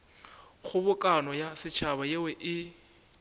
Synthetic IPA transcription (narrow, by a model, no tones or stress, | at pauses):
χʊbʊkʼanɔjasɪt͡ʃʰabajewɛʔɪ